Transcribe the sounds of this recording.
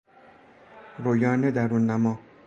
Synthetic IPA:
ɾojɑːned̪aɾunːamɔ

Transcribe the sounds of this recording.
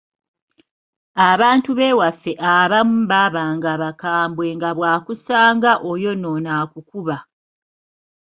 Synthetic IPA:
aβaːntuβe̞wafːe̞ʔaβamumβaβaːŋɡaβakaːmbwe̞ːŋɡaβwaːkusaːŋɡaʔojo̞no̞naːkukuβa

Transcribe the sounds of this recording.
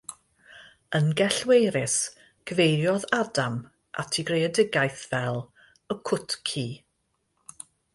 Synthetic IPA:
ənɡɛɬwejɾɪs | ɡ̥əvejɾjɔðadam | ʔa̰tʰiɡreɛdɪɡajθvɛlˠ | əkʰʊtʰkʰiː

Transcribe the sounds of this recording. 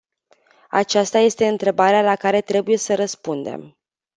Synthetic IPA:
a̰t͡ʃast̪aje̞st̪e̞ɨnt̪ɾe̞baɾealakaɾe̞t̪ɾe̞buje̞səɾəspund̪e̞̰m

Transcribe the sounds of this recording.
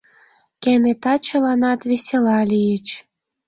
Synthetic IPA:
kenet̪ɑt͡ɕə̆lɑnɑt̪βesʲelɑlʲijət͡ɕ

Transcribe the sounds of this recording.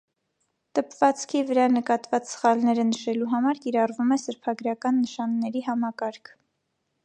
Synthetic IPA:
t̪əpvɑt͡skʰivəɾɑnəkɑt̪vɑt͡ssə̥χɑlnɛɾənəʃɛluɦɑmɑɾkiɾɑrvumɛsəɾpʰɑɡɾɑkɑnːəʃɑnːɛɾiɦɑmɑkɑɾkʰ

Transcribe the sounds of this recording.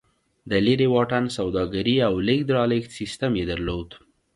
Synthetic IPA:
d̪əleɾewɑʈansawd̪ɑɡaɾiawlek̚d̪ɾɑleksist̪amjed̪aɾlod̪

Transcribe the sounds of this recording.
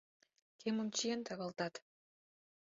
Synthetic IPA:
kʲʰemŏmt͡ɕijent̪ʰɑɣɑlˠt̪ɑt̪

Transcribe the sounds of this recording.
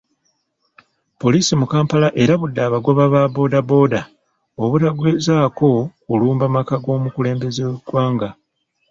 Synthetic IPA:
po̞liːsimukaːmpalaʔe̞ɾaβudːaβaɡwaβaβabo̞ːdabo̞ːda | oβuɾaɡwezaːko̞kuluːmbamakaɡo̞ːmukule̞ːmbe̞zeweɡwaːŋɡa

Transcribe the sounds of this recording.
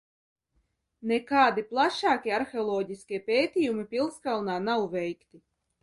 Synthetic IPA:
nɛkaːd̪iplˠaʃaːkʲiɛaɾxeɔlˠɔːɟʲiskʲiɛpʲeːt̪ʲiːjumipʲilˠskalˠnaːnawvʲɛjkt̪i

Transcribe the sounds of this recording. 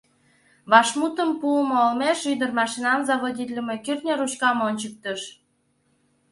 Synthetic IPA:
βɑʃmut̪əmpumoolmeʃyd̪ərmɑʃinɑmzɑβodʲit̪ʲlʲəmekyrt̪nʲeɾuɕkɑmonʲt͡ɕək̚t̪əʃ

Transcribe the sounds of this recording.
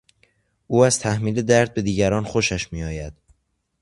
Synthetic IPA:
ʔuːæz̥t̪ʰæhmiːled̪æɾd̪̚be̞d̪iːɟæɾɒːnxoʃæʃmiːɒːjæd̪̥

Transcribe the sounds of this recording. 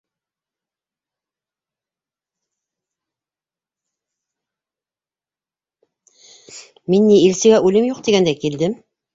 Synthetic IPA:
minːiilsɘ̆ɡæʔʉlɘmjuq̚t̪iɡænd̪ækild̪ɘm

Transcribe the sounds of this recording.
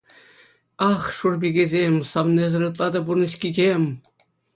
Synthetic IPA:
ɑχʂurbʲiɡʲezʲemʲsɑmnʲezɤ̆ɾɯt̪̬lˠɑd̪ɑburnɤ̆ɕkʲid͡ʑemʲ

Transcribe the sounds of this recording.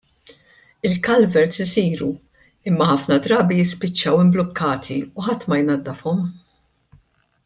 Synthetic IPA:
ɪlkɐlvɛɾsɪsiːɾu | ɪmːɐħɐfnɐd̪ɾɐːbijɪspɪt͡ʃːɐwɪmblɔkʰːɐːt̪ʰiuħɐt̪ːmɐjnɐd̪ːɐfɔm

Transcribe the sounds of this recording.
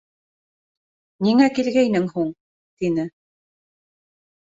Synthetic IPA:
niŋækilɡæjnɘŋhuɴ | t̪inɘ

